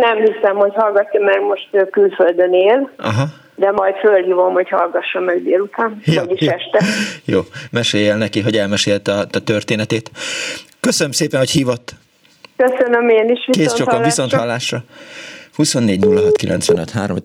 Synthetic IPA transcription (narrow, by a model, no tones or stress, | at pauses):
nɛmhisɛmho̞chɒlɡɒt̪ːɔmɛɡmo̞ʃt̪ːkylføld̪øneːlɒ̰ɦɒ | d̪ɛmɒjt̪følhiːvo̞mho̞chɒlɡɒʃːɒmɛɡd̪eːlut̪aːnjoɟiʃjɛʃt̪ɛjoːmɛʃeːjɛlnɛkiɦo̞ɟɛlmɛʃeːlt̪ɒt̪ɒt̪ørt̪eːnɛt̪eːt̪ | køsønømseːpɛnhochiːvot̪ː | køsønømeːniʃʋikeːst͡ʃokːviso̞nt̪hɒlːaːʃrɒ | huso̞nːeːɟnulːɒɦɒt̪kilʔɛ̰nt̪sʋɛnøt̪ɦaːɾom